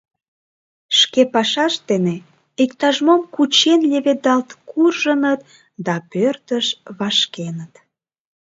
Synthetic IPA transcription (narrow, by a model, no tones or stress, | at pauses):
ʃkepɑʃɑʃd̪ene | ikt̪ɑʒmomkut͡ɕenlʲeβed̪ɑlt̪kurʒənət̪̚ | d̪ɑpørt̪əʃβɑʃkenət̪